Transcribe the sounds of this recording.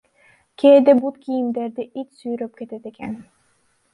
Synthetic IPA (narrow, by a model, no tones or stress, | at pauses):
kʲʰeːd̪ebut̪kʰʲijimd̪eɾd̪iʔit͡ʃ̪syjɾøp̚ket̪et̪ekḛn